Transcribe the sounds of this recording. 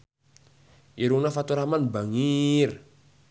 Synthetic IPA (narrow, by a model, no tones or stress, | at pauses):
iɾuŋnafat̪uɾamanbaŋir